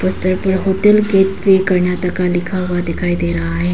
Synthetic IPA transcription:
pəst̪əɾpəɽɦoʈəlɡet̪ʋekəɾɳjat̪əkalikʰaɦʋad̪ekʰajd̪eɾaːɦe

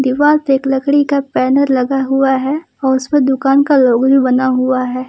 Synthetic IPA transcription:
d̪ɪʋaːlt̪eːklɐkɽikapɛːnəɾlɐɡaɦuaɦɛ | ɔːɾʊspẽd̪ʊkaːnkaloːɡbʱibɐnaɦuaɦɛː

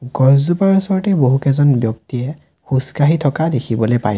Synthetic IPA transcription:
ɡ̥ɔzzupaɹusɔɹɔtɛboɦukɛzɔnbjɔk̚tijɛ | xuskaɦitʰɔkadekʰibɔlojpa̰j

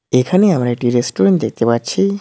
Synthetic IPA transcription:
ekʰaneamɾaeʈiɾesʈoɾeɳʈd̪ek̚ʰt̪epatːt͡ɕʰi

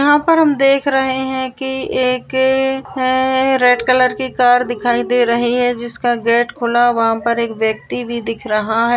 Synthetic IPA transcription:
ɐɦãpɐɾɦɐmd̪eːkʰɾɐɦeɦɛ̃kieːk | ɾɛːʈkɐləɾkikaːɾd̪ɪkʰaːid̪eːɾɐɦiɦɛd͡ʒɪskaɡɛːʈkʰʊlaʋɐɦãpɐɾeːkʋjɐk̚t̪ibʱid̪ɪkʰɾɐɦaɦɛː

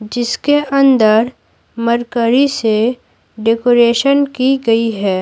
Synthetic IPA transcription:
d͡ʒɪskeʔɐ̃nd̪əɾ | mɐɾkəɾise | ɖeːkoːɾeːʃənkiɡɐiɦɛː

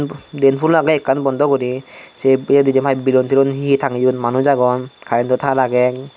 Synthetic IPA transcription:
ndɛnpʰulːaɡaɛkːanbɔndɔɡɔɾisɛɛdidɛmʰajbilɔntʰiɾɔnhiitʰaŋijutmanuzaɡɔnkʰaɾɛntʰɔtʰalaɡɛ

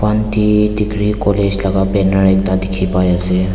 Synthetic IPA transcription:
pant̪id̪iɡɾikɔled͡ʒlaɡapɛnəɾɛk̚t̪ad̪ikʰipajase

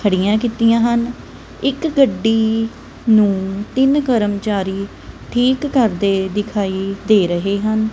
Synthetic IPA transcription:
kʰəɽɪjãːkiːt̪ɪjãːɦən | ɪkɡəɖːiː | nũːt̪ɪnkəɾəmt͡ʃaːɾiː | ʈʰiːkːəɾd̪eːd̪ɪkʰaːiːd̪eːɾəɦeːɦən

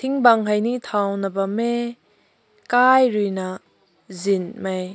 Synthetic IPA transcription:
t̪ʰiŋbaŋɦajnit̪ʰawnɐbɐme | kajɾujna | zinmaj

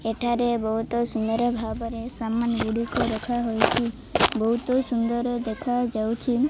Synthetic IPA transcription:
eʈʰaɾebɔɦut̪ɔsund̪əɾəbʱabɔɾesamanɡuɽikoɾɔkʰaɦojt͡ʃʰi | bɔɦut̪osund̪ɔɾd̪ekʰad͡ʒawt͡ʃʰi

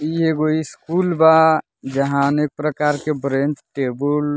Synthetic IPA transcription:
ieɡoiskuːlba | d͡ʒəɦãənek̚pɾəkaːɾkebɾẽnt͡ʃʈebəl

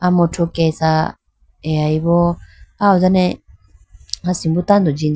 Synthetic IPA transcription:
amɔtʰukɛsa | ɛaiβɔaɔzanɛ | asimbut̪and̪ɔd͡ʒi

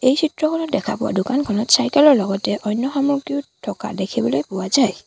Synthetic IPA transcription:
ejsʰitɹɔkʰɔnɔt̚dɛkʰa̰pʊwa̰dʊkankʰɔnɔtsajkɛlɔɹlɔɡɔtɛʔɔjnːɔxamɔɹɡjutʰːɔka̰dekʰibɔlojpʊwazaj

